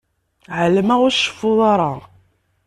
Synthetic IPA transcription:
ʕələmæʊɾʃːə̥fːʊðˤɑɾˤɑ

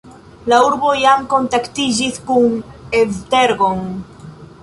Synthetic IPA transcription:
lauɾβojaŋkont̪akt̪iʒiθkuŋevd̪eɾɣoŋ

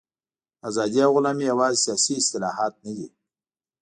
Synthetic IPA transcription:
azɑd̪ijaɣʊlaːmijawɑːzsijaːsiɪst̪ɪlɑhɑːt̪̚nəd̪ḭ

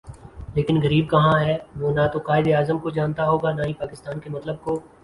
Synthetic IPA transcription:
leːkɪnɣɐɾiːb̚kɐɦãɦɛːʋoːnat̪oqaːɪd̪eaːzəmkod͡ʒaːnt̪aɦoːɡanaɦĩpaːkɪst̪aːnkemɐt̪ləb̚ko

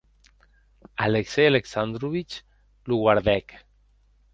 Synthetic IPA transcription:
aleksejaleksand̪ɾuβit͡ʃ | luɣwaɾðɛk

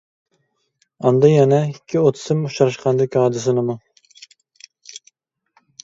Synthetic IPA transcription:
ɑnd̪ɑjɛnɛikʲʰːiot̪ʰɨ̥sɨmuʃɑɾɨʃqʰɑnd̪ɨkʲɑːd̪ɨsɨnɨmu

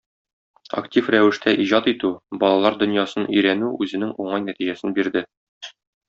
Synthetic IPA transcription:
ɐ̰ktʲifɾæwɘ̆ʃt̪ʰæʔiʑɑt̪it̪ʉbɒlˠɑlˠɑɾd̪ɵ̆njɑsɤnɵ̆jɾænʉʉzɘ̆nɘŋuɴɑjnæt̪iʑæsɘnbiɾd̪ɘ

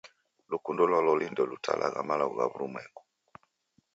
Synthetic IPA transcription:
lukundɔlɔlɔlindɔlutʰalʔaɣamalaɣuɣa̰βuɾumwɛkɔ̥

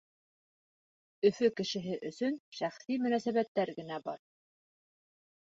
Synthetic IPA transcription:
ɵ̆fɵkɘ̆ʃɘ̆ɦɘʔɵ̆sɵnʃæχsimɵ̆næsæβæt̪ːæɾɡɘ̆næbɑ̰ɾ

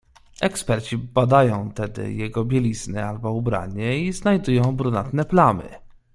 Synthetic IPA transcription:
ɛkspɛɾt͡ɕibad̪ajɔ̃w̃t̪ɛd̪ɘ̰jɛɡɔbʲjɛlʲiznɛalbɔubɾa̰ɲɛiznajd̪ujɔ̃w̃bɾunat̪nɛplamɘ̰

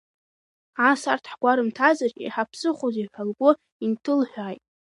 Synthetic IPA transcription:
asartʰħɡʷaɾɨmtʰazarkʲʼḭħapʰsɨχʷozijħʷᶣalɡʷʼʊ | intʰɨlħʷᶣaːjtʼ

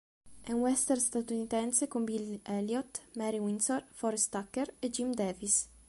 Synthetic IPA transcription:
ɛunwɛst̪ɛɾst̪at̪unit̪ɛnsekombilɛljɔt̪mɛɾiwinsɔrfɔɾst̪akːeɾed͡ʒimd̪ɛvis

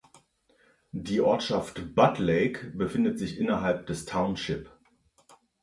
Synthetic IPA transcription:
diːʔɔɐtʃaftb̥atʰleɪkb̥əfɪndətz̥ɪçʔɪnɐɦalp̚d̥ɛstʰaʊnʃɪp

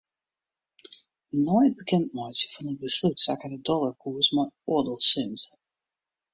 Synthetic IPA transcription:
nɔjt̚bəkʰɛntmɔjsəfɔnət̚bəslutsakədədɔlˠəkʰuəsmaɔdəlˠsɪns

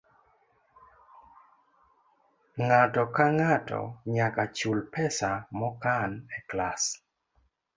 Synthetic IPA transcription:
ŋatɔkaŋatɔ̰ɲakat͡ʃulpɛsamɔkanɛklas

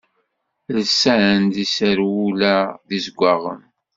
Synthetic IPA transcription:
lsæʕənd̪isəɾwulæðizɡʷaʁə̰m

